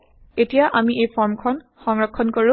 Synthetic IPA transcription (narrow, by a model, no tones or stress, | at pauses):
etijaʔamiejpʰɔɹmkʰɔn | xɔŋɹɔkʰːɔnkoɹu